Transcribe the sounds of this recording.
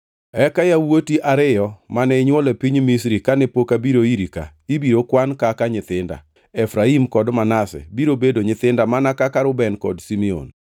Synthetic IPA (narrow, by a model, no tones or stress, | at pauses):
ɛkajawotiʔaɾɪjɔmanɛɲwɔlɛpiɲmisɾikanɛpokabiɾoiɾika̰ibiɾokwankakaɲɪt̪ɪnda̰ | ɛfɾaimkɔdmanasɛ̰biɾobedoɲɪt̪ɪndamanakakaɾʊbɛnkɔ̰dsimio̰n